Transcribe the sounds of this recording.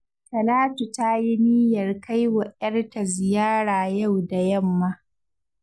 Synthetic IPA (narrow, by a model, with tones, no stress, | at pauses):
kɐ˨laː˦tu˨ta˦ji˦ni˦jɐ˨rka˦jwa˨ʔɐ˦rta˨zɪ˨jaː˦ɽaː˨ja˦˨wda˨jɐ˦mːa˦